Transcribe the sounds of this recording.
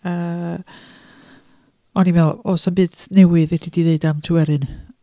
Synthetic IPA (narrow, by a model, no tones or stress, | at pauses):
əː | ɔnivɛlˠosənbɨːdnɛwɨðɛkʰidiðeɨdamtʰɨwɛɾɨn